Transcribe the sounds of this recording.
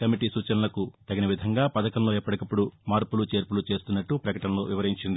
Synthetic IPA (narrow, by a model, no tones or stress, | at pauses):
kɐmiʈisuːt͡ʃɐnɐlɐkut̪ɐɡɐnɐʋid̪ʱɐŋɡaːpɐd̪ɐkɐmlo̞ːɛpːɐɽɐkɐpːuɽumaːɾpulut͡ʃe̞ːɾpulut͡ʃe̞ːst̪unːɐʈːupɾɐkɐʈɐnlo̞ːʋiʋɐɾɦiɲt͡ʃind̪i